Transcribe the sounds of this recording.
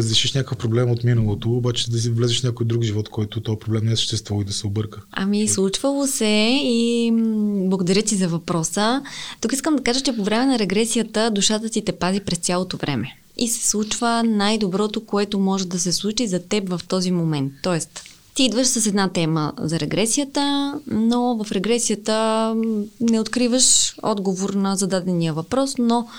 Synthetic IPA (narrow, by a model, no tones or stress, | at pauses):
ɾəzɾɛʃiʃnʲakəfpɾoblɛmot̪minəlˠot̪oːbat͡ʃɛd̪ɐs̬ivlɛzɛʃnʲakojd̪ɾukʒivɔt̪kɔjt̪ʊt̪ɔjɛpɾoblɛmnɛsə̥ʃt̪ɛst̪vəlˠid̪ɐsɛobɤɾkəɐ̰mislˠut͡ʃvəlˠosɛi | blˠɐɡod̪ɐɾjət̪izɐvɐpɾɔsət̪ukiskəmd̪ɐkaʒət͡ʃɛpovɾɛmɛnɐɾɛɡɾɛsijət̪əd̪uʃat̪ət̪it̪ɛpazipɾɛst̪ʲjalˠot̪ovɾʔɛ̰mɛ | isɛ̥slˠut͡ʃvənajd̪obɾɔt̪okoɛt̪omɔʒɛd̪ɐsɛslˠut͡ʃizɐt̪ɛpvɐft̪ɔzimomɛnt̪ːɔɛst̪ | t̪iid̪vəʃsəsɛd̪nat̪ɛmə̰zɐɾɛɡɾɛsijət̪ənovɐfɾɛɡɾɛsijət̪ə | nɛot̪kɾivəʃɔ̰d̪ɡovoɾnɐzɐd̪ad̪ɛnijəvɐpɾɔsno